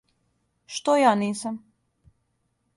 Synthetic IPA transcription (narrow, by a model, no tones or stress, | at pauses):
ʃt̪ojaːniːsam